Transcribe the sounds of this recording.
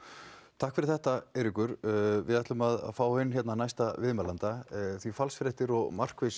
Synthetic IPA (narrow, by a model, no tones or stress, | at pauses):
t̪ʰahkfɪɾɪɾθɛht̪aɛɾɪkʏɾvɪ̰ðajht̪lʏmaða̰ðfaːwhɪnːçjɛt̪nanajst̪avɪðmaːlant̪aθvifalsfɾɛht̪ɪɾɔɣmar̥kvɪs